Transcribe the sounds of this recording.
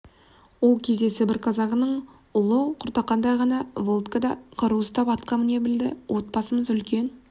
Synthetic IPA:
wo̞lˠkʲʰe̞zd̪e̞sɪbɪɾqʰɑzɑʁənəɴ | ʊlˠəqʰʊɾt̪ɑqːɑnd̪ɑjʁɑnɑvo̞lˠt̪kəd̪ɑqʰəɾuwəst̪ɑpɑt̪̚qɑmɪne̞bɪld̪ɪwʔo̞t̪̚bɑsəməzʏlkʲe̞n

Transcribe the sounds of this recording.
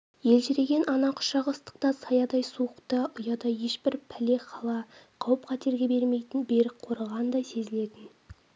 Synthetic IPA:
je̞lʒɪɾe̞ɡʲe̞nʔɑnɑqʰʊ̥ʃɑʁəəst̪ə̥q̚t̪ɑsɑjɑd̪ɑjsuəqt̪ɑʔʊjɑd̪ɑje̞ʃbɪɾpʰæle̞qʰɑlˠɑqʰɑwəpqʰɑt̪e̞ɾɡʲe̞beɾmejt̪ɪnbeɾɪqʰo̞ɾɑʁɑnd̪ɑjse̞zɪle̞t̪ɪn

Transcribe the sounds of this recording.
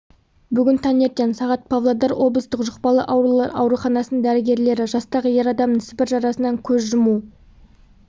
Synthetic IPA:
bʏɡʲɪnt̪ʰɑnje̞ɾt̪ːensɑʁɑt̪̚pʰavlˠad̪ɑɾwʔo̞bləst̪əqʒəqpɑlˠə̰ʔɑwɾuχɑnɑsənəɴd̪æɾɪɡʲe̞ɾle̞ɾɪʒɑst̪ɑʁəje̞ɾɑd̪ɑmənsɪ̥pɪɾʒɑɾɑsənɑŋkʲʰɵzʒʊmu

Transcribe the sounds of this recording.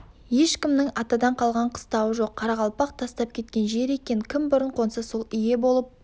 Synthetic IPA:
je̞ʃkʲɪmnɪŋɑt̪ɑd̪ɑɴqʰɑlˠʁɑɴqʰə̥st̪ɑwəʒo̞qʰːɑɾɑʁɑlˠpɑq̚t̪ʰɑst̪ɑp̚kʲʰe̞t̪̚kʲe̞nʒe̞ɾe̞kʲe̞nkʲʰɪmbʊɾəɴqʰo̞nsɑso̞lˠʏje̞bo̞lˠəp̚

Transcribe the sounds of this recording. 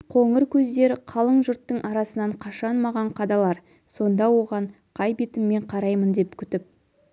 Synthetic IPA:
qʰoŋəɾkʲʰɵzd̪e̞ɾɪqʰɑlˠəɴʒʊɾt̪ːəɴʔɑɾɑsənɑɴqʰɑʃɑnmɑʁɑɴqʰɑd̪ɑlˠɑɾ | so̞nd̪ɑwo̞ʁɑɴ | qʰɑjbet̪ɪmːe̞ɴqʰɑɾɑjmənd̪e̞pkʲʰʏt̪ɪp̚

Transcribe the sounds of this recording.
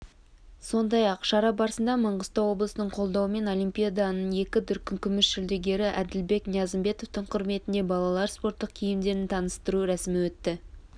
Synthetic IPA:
so̞nd̪ɑjɑqʃɑɾɑbɑɾsənd̪ɑməɴʁəst̪ɑwo̞blˠəsənəɴqʰo̞lˠd̪ɑwəme̞no̞lʲijmpʲijad̪ɑnəɴje̞kʲɪd̪ʊɾkʲːɪŋkʲʰʏmɪsʃɪld̪eɡʲe̞ɾɪʔæd̪ɪlbe̞knjɑzɪmbe̞t̪o̞ft̪ɪɴqʰʊɾme̞t̪ɪnd̪e̞bɑlˠɑlˠɑɾspo̞ɾt̪ːəqkʲʰijɪmd̪e̞ɾɪnt̪ʰɑnəst̪əɾuɾæsɪmɪwɵt̪ːɪ

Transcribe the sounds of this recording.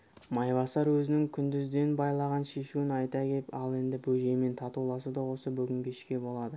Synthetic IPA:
mɑjbɑsɑɾwɵzɪnɪŋkʲʰʏnd̪ɪzd̪e̞nbɑjlˠɑʁɑnʃe̞ʃuɪnɑjt̪ɑkʲepɑlˠe̞nd̪ɪbɵʒe̞me̞nt̪ʰɑt̪ulˠɑsəd̪ɑwo̞səbʏɡʲɪŋkʲeʃkʲe̞bo̞lˠɑd̪ə

